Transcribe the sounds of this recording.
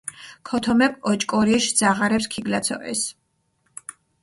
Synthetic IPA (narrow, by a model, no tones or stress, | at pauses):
kʰɔt̪ʰɔmɛpʼɔt͡ʃʼkʼɔɾiʃd̪z̥aʁaɾɛpskʰiɡlat̪sʰɔ̰ʔɛ̰s